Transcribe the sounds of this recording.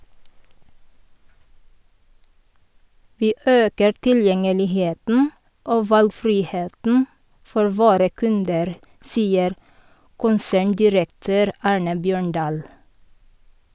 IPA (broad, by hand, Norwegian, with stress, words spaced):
ˈʋiː ˈøːkəɾ tɪlˈjɛŋəlɪˌheːtn̩ ˈoː ˈʋɑlɡˌfɾiːˌheːtn̩ ˈfɔɾ ˈʋoːɾə ˈkʉndəɾ ˈsiːəɾ ˈkʊnsæːɳˌdɪɾəkˌtøːɾ ˈɑːɹnə ˈbjøːɳˌɖɑːl